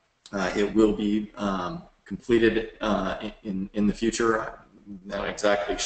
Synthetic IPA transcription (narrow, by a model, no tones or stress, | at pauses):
ɪt̚wɪlˠbi | kʰm̩pʰl̥iɾɨɾɪɪ̃nɪ̃nðɨfjʉt͡ʃə˞ | noʊɨɡzæk̚tʰˡli